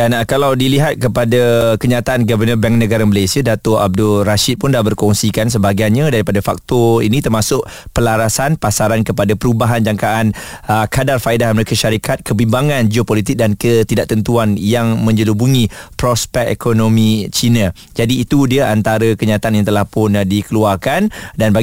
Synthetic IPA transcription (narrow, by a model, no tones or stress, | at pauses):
dankalawdiliɦat̪̚kəpadakəɲat̪aʔanɡavərnəbɛŋnə̃ɡaɾaməlasiadat̪ɔʔab̚duɾaʃit̪̚pʊndabərkɔŋsikans̬əbaɡaɲadaɾipadafak̚t̪ɔḭnĩt̪ərmasʊʔpəlaɾasanpasaɾankəpadapəɾubaɦand͡ʒaŋkaʔanəkadarfaidahməɾekaʃaɾikat̪̚kəbimbaŋãnd͡ʒiopolit̪ɪk̚dankət̪idaʔt̪ənt̪uanjaŋmə̃ɲd͡ʒəlubuŋĩpɾɔspɛkekʰonomit͡ʃinã | d͡ʒadiːt̪udiaʔant̪aɾakəɲat̪aʔanjaŋt̪əlahpʊndikəluarkandanba